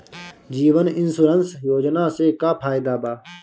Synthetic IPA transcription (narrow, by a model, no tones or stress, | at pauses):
d͡ʒiːʋənɪnsuɾənsjoːd͡ʒnaːseːkaːpʰaːɪd̪aːbaː